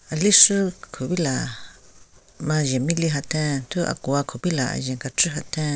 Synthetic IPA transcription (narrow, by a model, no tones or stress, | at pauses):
aliʂɨkʰuβila | mãjemĩliɦat̪ẽnt̪ua̰kuakʰuβila̰jẽŋɡat͡ʃɨɦat̪ẽ